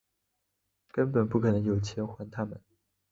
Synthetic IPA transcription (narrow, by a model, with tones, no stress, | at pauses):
kə˥npə˨˩npu˥˩kʰɤ˨˩nɤ˧˥ŋjo˨˩ʊt͡ɕʰjɛ˧˥nxwa˧˥nt̪ʰa˥mə̰˨n